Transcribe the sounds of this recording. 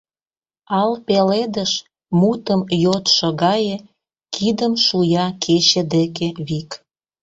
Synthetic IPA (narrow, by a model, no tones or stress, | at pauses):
ɑlpeled̪əʃ | mut̪əmjot̪ʃə̆ɣɑjĕ | kʰid̪əmʃujɑkʰet͡ɕə̆d̪ekeβik